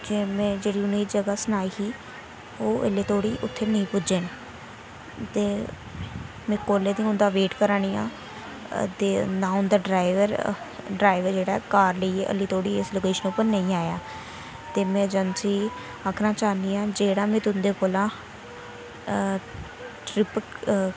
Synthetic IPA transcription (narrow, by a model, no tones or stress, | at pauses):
d͡ʒeːmɛ̃ːd͡ʒeːɽiːʊniːʈd͡ʒəɡaːsənaːiːsiː | oːʔə̰lːeːt̪ʰoːɽiːʔʊt̪ʰːeːnəĩːpʊd͡ʒeːn | t̪eː | mɛ̃ːkoːlːeːd̪ĩːʊ̃nd̪aːʋeːʈkəɾaːɽ̃iːã̰ː | d̪eːnãːʊ̃nd̪aːɖɾaːɪʋəɾ | ɖɾaːɪʋəɾd͡ʒeːɽaːɛkaːɾləiḛːʔə̰lːiːt̪ʰoːɽiːesloːkeːʃənʊpəɾnə̃ĩːaːjaː | t̪eːmɛ̃ːd͡ʒənsiː | akʰɾãːt͡ʃaːnd̪iːãːd͡ʒeːɽãːmɛ̃ːt̪ʊnd̪eːpoːlãː | ʈɾɪp